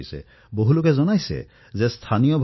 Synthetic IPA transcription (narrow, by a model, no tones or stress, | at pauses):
jsɛ̰ | boɦulokɛzɔnajsɛ̰ | zɛst̪ʰanijɔbʱ